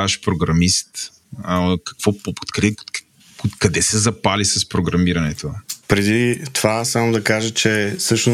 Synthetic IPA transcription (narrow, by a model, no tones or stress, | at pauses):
aʃpɾoɡɾɐmist̪ | əkɐ̥kv̥ɔpopo̥t̪kɾɛ | okɐd̪ɛsɛzɐpalisɐspɾoɡɾɐmiɾɐnɛt̪opɾɛd̪it̪ovasamod̪ɐkaʒət͡ʃɛsɤʃnʊ